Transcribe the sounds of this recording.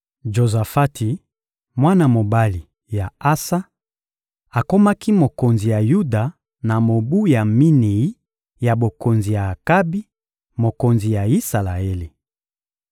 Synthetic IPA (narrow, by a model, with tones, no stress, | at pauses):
ʒo˨za˨fa˦ti˨ | mwa˦na˨mo˨ba˦li˨ | ja˨a˦sa˦ | a˨ko˦ma˦ki˦mo˨ko˨nzi˨ja˨ju˦da˨ | na˨mo˨bu˦ja˨mi˦ne˨i˦ | ja˨bo˨ko˨nzi˨jaː˨ka˦bi˦ | mo˨ko˨nzi˨ja˨i˦sa˨la˨e˦li˨